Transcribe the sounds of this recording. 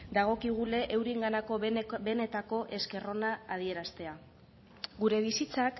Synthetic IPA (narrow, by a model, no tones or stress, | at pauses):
d̪aɣ̞o̞kiɣ̞ule̞ʔewɾiŋɡanako̞be̞ne̞t̪ako̞ʔe̞ske̞ro̞naaːð̞ie̞ɾast̪e̞a | ɡuɾe̞β̞isit͡sak